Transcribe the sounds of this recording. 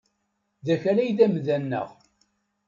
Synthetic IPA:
ðæçælæjðæmðænːə̰ʁ

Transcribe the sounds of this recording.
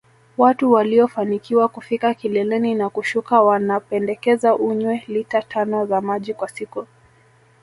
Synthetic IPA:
watuwaliɔfanikiwakufikakilɛlɛninakuʃukawanapɛndɛkɛzaʔuɲwɛlitatʰanɔzamaʄikwasiku

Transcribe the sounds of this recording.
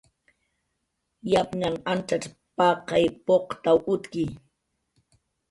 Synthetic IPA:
japŋanant͡ʃaʈ͡ʂ | pɑqɑjpoqt̪awʊt̪ki

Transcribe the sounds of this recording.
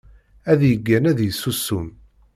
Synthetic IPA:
æðjəɡːænæðjəsːusːum

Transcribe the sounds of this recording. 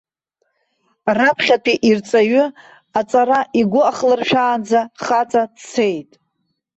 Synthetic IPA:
rapʰχʲatʰiʔirt͡sʼaɥʏ | at͡sʼaɾaʔiɡʷʊaχlɨrʃᶣaːnd͡zaχat͡sʼadt͡sʰe̞jtʼ

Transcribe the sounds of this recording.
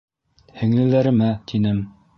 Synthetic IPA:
hɘ̆ŋlɘ̆læɾɘ̆mæt̪inɘm

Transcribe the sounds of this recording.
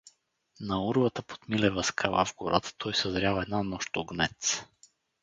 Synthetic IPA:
nauɾvət̪apo̥t̪milɛvaskʰava̰vɡoɾa̰t̪t̪ʰːɔjsɛzɾjavɛd̪nanɔʃt̪oɡnɛ̰t̪s

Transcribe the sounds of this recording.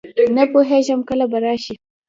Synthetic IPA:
nɐpoɦeːʃɐmkɐlɐbɐɾaːʃi

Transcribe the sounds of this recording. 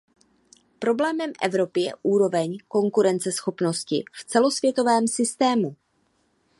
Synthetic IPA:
pɾo̞blɛːmɛmʔɛ̰vɾo̞pɪjɛ̰ʔuːɾo̞vɛɲko̞ŋkuɾɛnt͡sɛsxo̞pno̞scɪ̰ft͡sɛlo̞svjɛt̪o̞vɛːmsɪst̪ɛːmu

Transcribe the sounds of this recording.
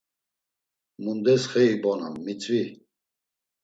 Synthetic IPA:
mund̪ɛsχɛibɔnamːit͡sʼvi

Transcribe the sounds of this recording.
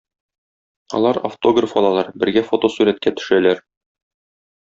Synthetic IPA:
ɒ̰lˠɑɾɐ̰ft̪o̞ɡrəfɒlˠɑlˠɑɾbɘ̆ɾɡæfot̪osʉɾæt̪̚kæt̪ɵ̥̆ʃælæɾ

